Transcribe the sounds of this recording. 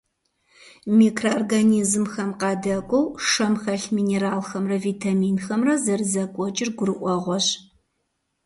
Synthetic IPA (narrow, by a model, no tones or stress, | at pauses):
miːkʰroorɡɐnizmxɐmqɑːdɐkʷʼɔwʂɐmxɐɬmiːneɾaːlxɐmrɐviːtʰamiːnxɐmrɐzɐrɨzɐkʷʼɔt͡ʃʼɪrɡʷʊɾɨʔʷɔʁʷɔɕ